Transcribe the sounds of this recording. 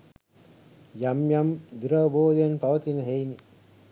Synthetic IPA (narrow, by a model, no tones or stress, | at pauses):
jamjamd̪uɾɐʋboːd̪ɐjɐnpɐʋɐt̪inɐɦejni